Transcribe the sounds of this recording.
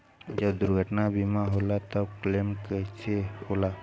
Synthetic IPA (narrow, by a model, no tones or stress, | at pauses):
d͡ʒəbd̪uɾɡʱəʈnabimaɦolat̪əbklemkəjt͡ʃʰehola